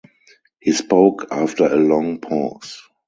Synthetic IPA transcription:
hiːspoʊkʰaftə˞əlɔ̃ŋpʰɔs

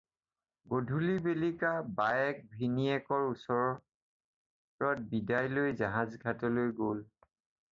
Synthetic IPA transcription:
ɡodʱulibelikabaɛk̚bʱiniɛkɔɹusɔɹɔ | pɹɔt̚bidajlojzaɦazɡʱatɔlojɡol

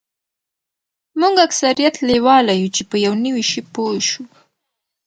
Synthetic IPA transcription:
muŋɡaksaɾijat̪lewɑlajut͡ʃepəjawnəwiʃipojʃu

